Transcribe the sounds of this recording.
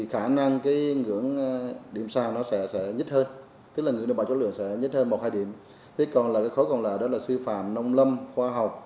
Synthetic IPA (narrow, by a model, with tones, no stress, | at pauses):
i˨˩xaː˧˩na˧ŋkaː˨˦jŋɨ̰˧˥əŋɗi˧˩əmsaː˧˩nɔ˨˦sɛ̰˧˥sɛ̰˧˥ɲə˦˥t̚həː˧n | t̪ɨ˦˥k̚laː˨˩ŋɨ˨nə˧˩ɓa˧˩t͡ɕɔ̰˧˥lɨ̰˧˨əŋsɛ̰˧˥ɲə˦˥t̚həː˧nmo˨˩t̚haː˧jɗḭ˧˩˨əm | t̪ʰe˨˦kɔ˨˩nlaː˨˩kaː˨˦jxɔ˨˦kɔ˨˩nlaː˨˩ɗɔ˨˦laː˨˩sɨ˧fa̰ː˧˨mnɔ˧wŋ͡mlə˧mxwaː˧ɦa˨˩wk͡p̚